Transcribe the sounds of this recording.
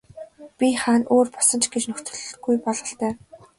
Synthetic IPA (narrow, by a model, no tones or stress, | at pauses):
pʲiχaːnoːrpɔ̥sə̆nt͡ɕɡet͡ɕnɵxt̪ɵ̆ɮɡujpɔɮʁə̆ɬt̪æː